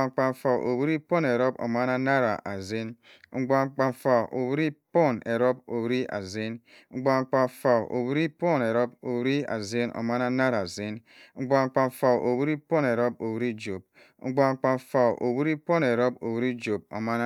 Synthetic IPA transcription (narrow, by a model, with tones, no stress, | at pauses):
ŋ͡m̩˨k͡pa˨m˨fa˨o̰˨wi˦ɾi˦po˦ne˨ɾo˦bo̰˨ma˦na˦na˦ɾa˨ʔa˨ze˦n | ŋ͡m̩˨ɡ͡ba˨ŋ͡m̩˨k͡pa˨fa˨ʔo˨wi˦ɾi˦po˦˨ne˨ɾo˦b̚o˨wɾi˦a̰˨ze˦n | ŋ͡m̩˨ɡ͡ba˨ŋ͡m̩˨k͡pa˨fa˨o̰˨wi˦ɾi˦po˦˨ne˨ɾo˦b̚o˨wɾi˦a̰˨ze˦no̰˨ma˦na˦na˦ɾa˨ze˦n | ŋ͡m̩˨ɡ͡ba˨ŋ͡m̩˨k͡pa˨m˨fa˨wʔo˨wu˦ɾi˦po˦ne˨ɾo˦po˨wu˦ɾi˦d͡ʒo˨b̚ | ŋ͡m̩˦ɡ͡ba˨ŋ͡m̩˨k͡pa˨mfa˨ʔo̰˨wi˦ɾi˦po˦ne˨ɾo˦bo˨wu˦ɾi˦d͡ʒo˨b̚o̰˨ma˦n˦